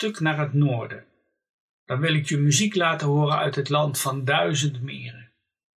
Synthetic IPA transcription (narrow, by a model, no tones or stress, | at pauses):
tɵknaːɹɦətnʊːɹdə | d̥ɑnʋɪlɪkjymyziklaːtəɦʊːrənœɥtɦətlɑntfɑndœɥzəndmɪ̰ːrə